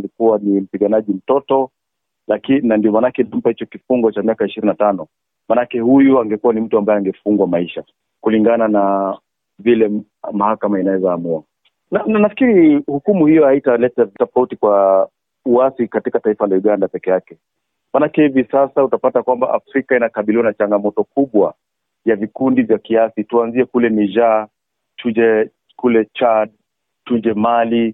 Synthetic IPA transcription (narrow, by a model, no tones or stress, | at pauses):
likuwanim̩piɠanaʄim̩tɔtɔ | lakinandiɔmanakɛnam̩pahit͡ʃɔkifuŋɡɔt͡ʃamiakaiʃiɾinatanɔ | manakɛhujuaŋɡɛkuwanim̩tuambaɛaŋɡɛfuŋɡwamaiʃa | kuliŋɡanana | vilɛ | mahakamainawɛzaːmua | nananafi̥kiɾihukumuhijɔhaitalɛtatɔfautikwa | uasikatikataifalajuɠandapɛkɛjakɛ | manakɛhivisasautapatakwamba̰ʔafɾikainakaɓiliwanat͡ʃaŋɡamɔtɔkuɓwa | vjavikundivjakiasituanziɛkulɛniʒa | tud͡ʒɛ | kulɛt͡ʃad̚ | tud͡ʒɛmali